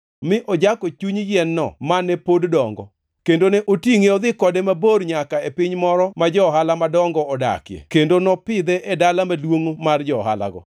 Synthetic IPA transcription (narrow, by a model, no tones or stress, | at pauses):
mɪʔɔd͡ʒakot͡ʃuɲjɛnːɔ̰manɛpoddɔŋɡɔ | kendonɛʔotiŋeɔd̪ɪkɔdemaborɲakaepɪɲmɔɾɔmad͡ʒɔɦalamadɔŋɡɔɔda̰kjḛkendonɔpɪd̪ɛʔedalamalwoŋmard͡ʒɔɦa̰la̰ɡɔ̰